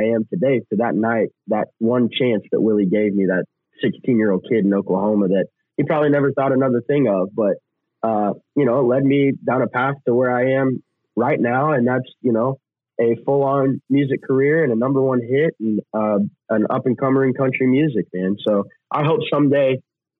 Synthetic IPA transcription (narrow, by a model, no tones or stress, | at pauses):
ɪɨ̃mtʰɨdeɪsɨʊðətⁿnaɪt̪̚ðət̚wʌ̃nt͡ʃʰæ̃nsðɨ̰ʔ̚wɪlˠiɡeɪvmiðɨt̚ | sɪkstʰĩnjɪɹoʊd̚kʰɪɾⁿnoʊkl̩ˠhõʊ̃məðɨt̚ | hipʰɹ̥ɑbəblinɛvə˞θɔɾɨnʌðə˞θɪ̃ŋʌvbʌt̚ | ʌjɨñoʊətˡlɛd̚midãʊ̃ɾ̃əpʰæstʰəwə˞aɪɨ̃m | ɹaɪtⁿnaʊɨ̃nðætsjɨnoʊ | ɨfʊlˠɑ̃nmjʉzɨkʰə˞ɪɹɨ̃nɨnʌ̃mbə˞wʌ̃nɦɪt̚n̩ʌʔə̃nʌ̰pɨ̃nkʰʌ̃mə˞ɪ̃ŋkʰʌ̃nt͡ʃɹ̥imjʉzɨk̚mæ̃nsoʊ | ʔaɪɦoʊpsʌ̃mdeɪ